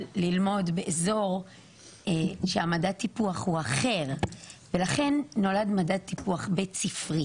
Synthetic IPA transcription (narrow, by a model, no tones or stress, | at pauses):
lilmo̞dbe̞ʔezo̞ʁ | eʃeamadatːipuaχhuaχe̞ʁvelaχe̞nːo̞ladmadatːipuaχbet͡sifʁi